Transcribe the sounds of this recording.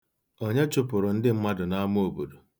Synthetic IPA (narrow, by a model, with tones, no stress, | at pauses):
o˦ɲe˦t͡ʃʊ˦pʊ˨ɾʊ˨n̩˦dɪ˦m̩˦ma˦dʊ˨na˦m˦o˨bu˨du˨